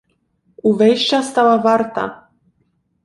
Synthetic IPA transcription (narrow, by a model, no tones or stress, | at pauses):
uvɛjʃt͡ɕast̪awavaɾt̪a̰